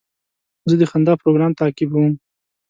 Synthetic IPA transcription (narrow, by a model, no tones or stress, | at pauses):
zəd̪əxand̪ɑpɾoɡɾɑmt̪ɑkɪbawum